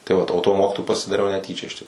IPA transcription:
tɐɪ ˈʋɐt oː tuɔ ˈmoːkʲɪtoːjʊ pɐsʲɪdɐˈrʲɛʊ nʲɛˈtʲiːt͡ʃʲɛ ɪʃ tʲɪk

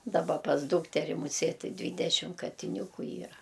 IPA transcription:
dɐˈbɐ pɐs ˈduːktʲɛrʲɪ mʊˈsʲeːtʲ tʲɪ ˈdʲʋʲiːdʲɛʃʲɪm kɐtʲɪˈnʲuːkʊ ˈiːrɐ

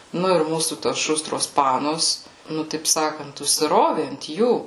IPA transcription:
ˈnʊ ɪr ˈmuːsuː toːs ˈʃʊstroːs ˈpɑːnoːs ˈnʊ tɐɪp ˈsɑːkɐnt ʊʃʲsʲɪˈroːʋʲeː ɐnt ˈjuː

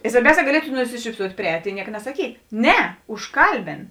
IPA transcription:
ɪ sʋɐrʲˈbʲɛʊˌsʲɛː ɡɐˈlʲiɛtʊ nʊsʲɪʃʲiːpˈsuɔtʲ pʲrʲɪˈɛːtʲ ɪ ˈnʲiɛkɐ nɐsɐˈkʲiːt ˈnʲɛ ʊʃˈkɐlʲbʲɪn

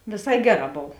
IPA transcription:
ʋʲeːˈsɐɪ ˈɡʲæːˌrɑː ˈboːw

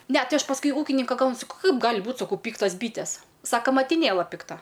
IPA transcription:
ˈnʲɛ ˈtɐɪ ˈɐʃ pɐsˈkʊɪ ˈuːkʲɪnʲɪŋkɐ ˈklˠɐnʲsʲʊ ˈkɐɪp ˈɡɑːlʲɪ ˈbuːt sɐˈkɐʊ ˈpʲiːktɐs ˈbʲiːtʲɛs ˈsɑːkoː mɐtʲɪˈnʲeːlˠɐ pʲɪkˈtɐ

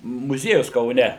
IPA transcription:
mʊˈzʲiɛjʊs kɐʊˈnʲɛ

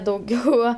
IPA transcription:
dɐʊˈɡʲɛʊ

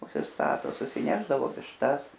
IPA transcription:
ʊʃʲsʲɪsˈtɑːtoː sʊsʲɪˈnʲæːʒdɐʋoː ʋʲɪʃˈtɐs

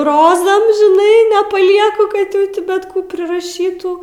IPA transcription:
ˈroːzɐm ʒʲɪˈnɐɪ nʲɛpɐˈlʲiɛkʊ kɐt ˈjɛʊ tʲɪ ˈbʲɛt ˈkuː pʲrʲɪrɐˈʃʲiːtuː

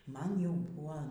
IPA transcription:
ˈmɐn ˈjɛʊ ˈbʊɐ

